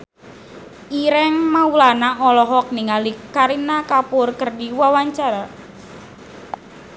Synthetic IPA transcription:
ʔiɾɛŋmaulanaʔɔlɔɦɔk̚niŋalikaɾinakapʊrkərdiwawaɲt͡ʃaɾa

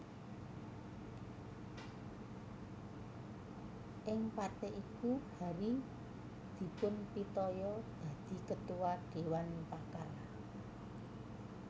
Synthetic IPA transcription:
ʔɪŋpat̪eʔikuhaɾi | d̪̥i̤pʊnpit̪ɔjɔd̪̥ä̤d̪̥i̤kət̪uwaɖ̥e̤wanpakala

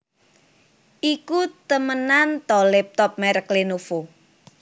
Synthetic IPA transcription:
ʔikut̪əmənant̪ɔlɛp̚t̪ɔp̚mɛɾəklenofo

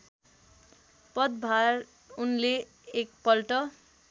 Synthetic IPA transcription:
pʌd̪bʱaɾ | unleː | k̚pʌlʈʌ

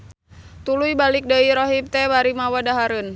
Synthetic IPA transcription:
t̪ulujbalik̚dəiɾɔɦip̚t̪ɛbaɾimawadaɦaɾɨn

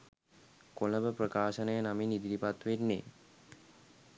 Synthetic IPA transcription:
koləbəprəkaːʃənəjənaminid̪iɾipat̪ʋenːe

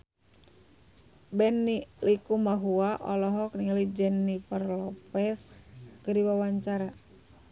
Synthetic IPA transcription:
bɛnːilikumaɦuaʔɔlɔɦɔkniŋalid͡ʒɛnːiparlɔpɛskəɾiwawaɲt͡ʃaɾa

